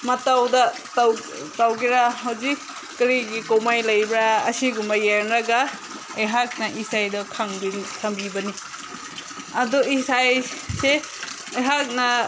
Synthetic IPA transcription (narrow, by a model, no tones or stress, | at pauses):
mɐtawdɐ | taw | tawɡiɾaɦɐwzik̚ː | ɾiɡikowmajlɐjbɾaɐ̰siɡumbɐjenɾɐɡa | ejɦak̚nɐʔisajdɐkʰaŋbinkʰaŋbibɐni | ɐduisajse | ɐjɦak̚nɐ